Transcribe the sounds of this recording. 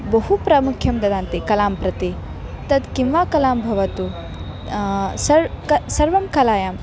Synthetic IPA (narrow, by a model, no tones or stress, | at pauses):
bɐɦupɾɐmukʰjɐmd̪ɐd̪aːnt̪ikɐlaːmpɾɐt̪i | t̪ɐd̪kimʋaːkɐlaːmbʱɐʋɐt̪u | sɐɾkɐsɐɾʋɐmkɐlaːjaːm